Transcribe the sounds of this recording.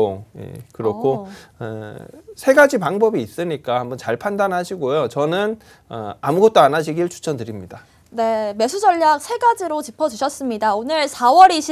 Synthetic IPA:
oje̞̰kɯɾʌkʰoʌsʰe̞ɡad͡ʑipaŋbʌbiːs͈ɯɲik͈ahambʌnt͡ɕaɭpʰandanɦaɕʰiɡojot͡ɕʌnɯn | ʌ̰amuɡʌt̚t͈oanaɕʰiɡiɯɭt͡ɕʰu̥t͡ɕʰʌndɯɾimɲida | ne̞me̞sʰud͡ʑʌʎːak̚sʰe̞ɡad͡ʑiɾot͡ɕipʰʌd͡ʑuɕʰʌs͈ɯmɲidaonɯɭsʰawʌɾiɕʰ

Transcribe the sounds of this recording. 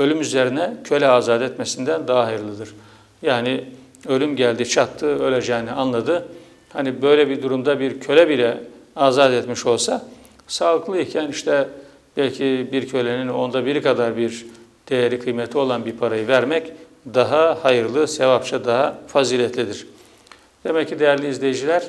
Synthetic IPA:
ø̞lʲymyze̞ɾinɛcʰø̞lʲɛaːzaːd̪ɛt̪mɛsind̪ænd̪aɦaɦajɯɾlˠɯd̪ɯɾ̥ | jaːni | ø̞lʲymɟælʲd̪it͡ʃʰat̪ʰːɯø̞lʲed͡ʒɛːnianlˠad̪ɯ | hanibø̞jlʲɛbiɾd̪uɾumd̪abiɾcʰø̞lʲɛbilʲɛaːzad̪ɛt̪miʃo̞lˠsa | saːlˠɯklˠɯicʰæniʃt̪ʰɛ | bɛlʲcʰibiɾcʰø̞lʲenino̞nd̪abiɾikʰad̪aɾbiɾ | d̪̥e̞jeɾikʰɯjmɛt̪ʰːio̞lˠanbiɾpʰaɾajɯvæɾmɛc | d̪aɦahajɯɾlˠɯsevapt͡ʃʰad̪aɦafaziːlʲɛt̪ʰlʲid̪iɾ̥ | d̪̥e̞mɛcːid̪ejæɾlʲiizlʲe̞jid͡ʒilʲæɾ̥

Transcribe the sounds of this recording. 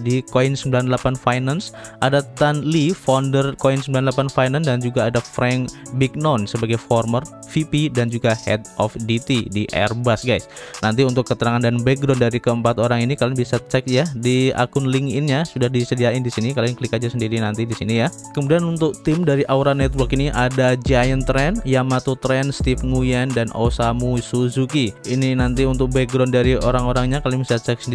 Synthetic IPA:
dikoɪnsəmbilanlapanfajnansʔadat̪anlifɔndərkoinsəmbilanlapanfajnandand͡ʒuɡaːdafɾɛŋbik̚nɔnsəbaɡajfɔrmər | fipidand͡ʒuɡahɛ̰t̪ʔɔfdit̪idiʔɛ̰rbasɡajsnant̪iunt̪ʊkːət̪əɾaŋandanbɛɡ̚ɾɔndaɾikəəmpat̪oɾaŋinikaɾaŋbisat͡ʃɛk̚jadia̰kʊnlɪŋɪnɲasudahdisədiaɪndisinikalɪŋkəlikad͡ʒasəndiɾinant̪idisinija | kəmudianunt̪ʊk̚t̪ɪmdaɾiʔauɾanɛt̪wərkiniʔadad͡ʒajənt̪ɾɛnjamat̪ut̪ɾɛnst̪ifŋujandanosamusuzukiininant̪̬iunt̪ʊk̚bɛɡɾɔndaɾioɾaŋoɾaŋɲakalibisat͡ʃɛk̚səndi

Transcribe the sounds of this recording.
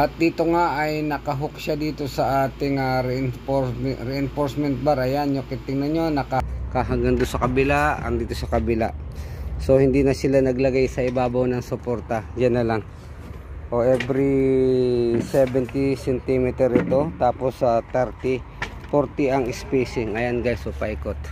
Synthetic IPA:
ʔɐt̪̚d̪iːt̪o̞ŋaʔɐjnɐkɐɦokʃad̪iːt̪o̞sɐʔaːt̪ɪŋaɾɛnfoɾɛɪnfoɹsmɛnt̪̚baɾʔɐjanjokɪt̪ɪŋnɐɲo̞nɐkakaɦaɡɐnd̪onsɐkɐbɪlaʔɐ̰ŋd̪iːt̪osɐkɐbɪla̰ʔso̞hɪnd̪iːnɐsɪlanɐɡlɐɡajsɐʔɪbaːbɐwnɐŋsopo̞ɾt̪ɐd͡ʒanːɐlaŋ | ʔoʔɛbɾi | sɛbɛnt̪isɛnt̪imɪt̪ɛɾʔɪt̪o̞t̪aːpo̞sːɐt̪ɛɾt̪i | poɾt̪ɪɐŋɪspejsɪŋːɐjanɡajsʔopaikot̪̚

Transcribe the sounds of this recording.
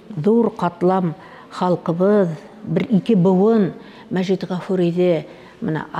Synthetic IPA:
zoɾqʰɑt̪əlˠɑm | χɑlˠəqəβəð | bɪɾikʲɪbʊwən | mæʒit̪ʁɑfuɾed̪e | mənɑ̰

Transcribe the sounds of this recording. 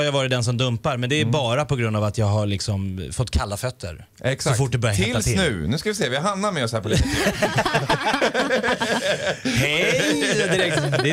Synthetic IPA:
aɾjavɑːɾɪt̪d̪ɛns̬ɔmd̪ɵmpaɾmɛnd̪ɛːɾbɑːɾapɔɡɾɵnd̪aːvat̪jɑːɡɦaɭɪksɔmfɔt̪ːkʰalːafœt̪ʰːə̰ɾ | ɛkssɔfʊʈ̚ːd̪ɛbœɾjah̪ʰɛɪlaɪnʉ̟ːnʉ̟skavɪseːvɪhaɦamnaɾmɛɔshæːpɔli | hɛ | ɪɾɛk̪d̪ɛ

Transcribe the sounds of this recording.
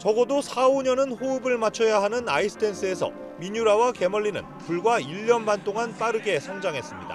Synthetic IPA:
t͡ɕʌɡʌdosʰaoɲʌnɯnɸoɯbɯɭmat͡ɕʰʌjaɦanɯnaisʰɯ̥tʰe̞ns͈ʰɯe̞sʰʌ̰ | miɲuɾawake̞mʌɭːinɯ̰npuɭɡwaiʎːʌnbant͈oŋanp͈aɾɯɡe̞sʰʌŋd͡ʑaŋɦe̞s͈ɯmɲida̰

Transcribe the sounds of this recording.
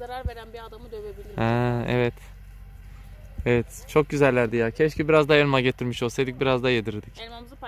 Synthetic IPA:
aɾaɾveɾænbiad̪avhɛːɛ̰vɛt̪ | evɛt̪ | t͡ʃʰo̞k̚ɟyzælʲːæɾd̪ijaːcʰɛʃcibiɾazd̪ajenmaɟe̞t̪ʰiɾmiʃolsed̪ic̚biɾazd̪ajed̪iɾd̪ic

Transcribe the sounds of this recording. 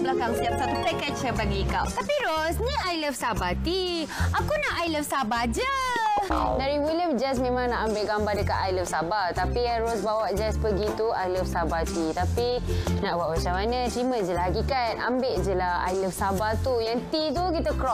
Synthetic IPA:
blakaŋst̪iap̚sat̪upɛkɛt͡ʃəbaɡikawt̪apiɾosniajləfsabat̪i | akunaʔajləfsabad͡ʒə | daɾiwiljəmd͡ʒasmẽmãŋnaʔambeʔɡambadəkat̪ajləfsabat̪apianɾosbawaʔd͡ʒaspəɡit̪uajləfsabat̪it̪apinaʔbwaʔbat͡ʃamanə̃t̪ɾimə̃d͡ʒəlahakikana̰mbeʔd͡ʒəlaha̰jləfsabat̪ujaŋt̪it̪ukit̪əkɾɔ

